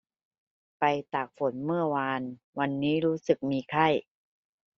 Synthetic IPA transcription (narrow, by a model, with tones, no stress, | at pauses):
pa˧jt̪aː˨˩k̚fo˩˦nmɯ˥˩ɐwaː˧n | wa˧nːiː˦˥ɾuː˦˥sɯ˨˩k̚miː˧kʰa˥˩j